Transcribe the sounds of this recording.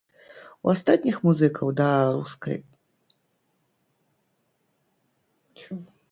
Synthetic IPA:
wast̪at̪ʲnʲixmuzɨkʰɐwd̪ɐɾṵskɐ̰j | t͡ʃ

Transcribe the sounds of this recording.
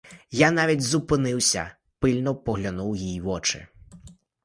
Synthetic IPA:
jan̪ɑʋʲidʲzʊpɪnɪwsʲɐ̰ | pɪlʲnɔpɔɦlʲɐnuwjijʋɔt͡ʃɪ̰

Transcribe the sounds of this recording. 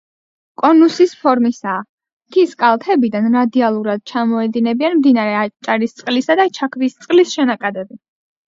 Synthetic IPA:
kʼɔnusispʰɔɾmisaː | t̪ʰiskʼalˠt̪ʰɛbid̪anɾad̪ialˠuɾad̪̚t͡ʃʰamɔɛd̪inɛbianmd̪inaɾɛat͡ʃʼaɾist̪sʼqʼlisad̪at͡ʃʰakʰvist̪sʼlisʃɛnakʼad̪ɛbi

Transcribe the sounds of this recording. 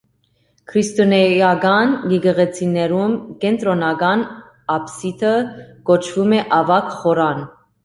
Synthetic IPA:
kʰɾist̪ɔnɛjɑɡɑnɡɛɡəʁɛt͡sʰinɛɾumkɛnt̪ɾɔnɑɡɑn | ɑpsit̪ʰəkɔt͡ʃʰvumɛʔɑvɑkχɔɾɑn

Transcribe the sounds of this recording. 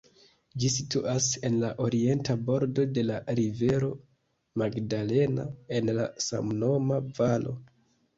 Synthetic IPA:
d͡ʒisituʔase̞nlaʔo̞ɾie̞ntabo̞ɾdo̞de̞laɾive̞ɾo̞ | maɡdale̞na̰e̞nla̰sa̰mno̞mavalʔo̞̰

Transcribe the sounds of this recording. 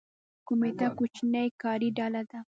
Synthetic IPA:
komet̪akot͡ʃnəjkɑɾiɖalad̪a

